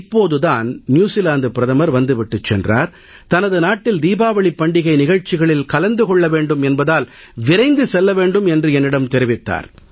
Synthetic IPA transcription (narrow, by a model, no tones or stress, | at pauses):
ɪpːoːðɯðaːnnjuːsɪlaːnd̪ɯpɪɾɐðɐmɐɾʋɐnd̪ɯʋɪʈːɯt͡ʃːɛ̰ndra̰ːɾ | t̪ɐnɐðɯnaːʈːɪld̪iːbaːʋɐɭɪpːɐɳɖɪɣɐɪnɪɣɐɻt͡ʃːɪɣɐɭɪlkɐlɐnd̪ɯkɔɭːɐʋeːɳɖɯmɛnbɐðaːl | ʋɪɾɐɪnd̪ɯsɛlːɐʋeːɳɖɯmɛndrɯɛnːɪɽɐmt̪ɛɾɪʋɪt̪ːa̰ːɾ